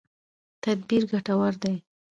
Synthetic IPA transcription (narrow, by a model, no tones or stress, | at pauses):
t̪ad̪̚biɾɡaʈawaɾd̪aj